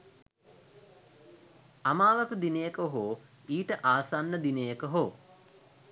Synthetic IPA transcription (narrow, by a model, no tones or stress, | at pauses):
amaːʋəkəd̪inejəkoɦoː | iːʈəʔaːsanːəd̪inejəkəɦoː